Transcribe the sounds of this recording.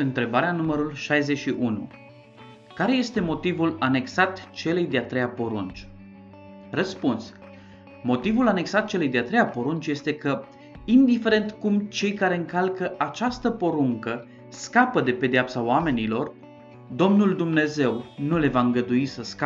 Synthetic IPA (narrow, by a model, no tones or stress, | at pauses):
ɨnt̪ɾe̞baɾeanuməɾulʃajze̞ʃiʔunṵ | kaɾe̞je̞st̪e̞mo̞t̪ivulane̞ksat̪t͡ʃe̞lejd̪eat̪ɾejapo̞ɾunt͡ʃ | rəspuns | mo̞t̪ivulane̞ksat̪̚t͡ʃe̞lejd̪eat̪ɾejapo̞ɾunt͡ʃje̞st̪e̞kə | ind̪ife̞ɾe̞nt̪kumt͡ʃe̞jkaɾe̞ɨŋkalkəʔat͡ʃast̪əpo̞ɾuŋkə | skapəd̪e̞pe̞d̪eapsaoame̞nilo̞r | d̪o̞mnuld̪umne̞ze̞wnule̞vaɨŋɡəd̪uisəska